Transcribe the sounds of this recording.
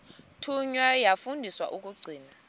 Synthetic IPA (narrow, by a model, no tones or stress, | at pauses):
tʰuɲwajafundʱiswa̰ʔuk̬uɡ͡ǀʱiːna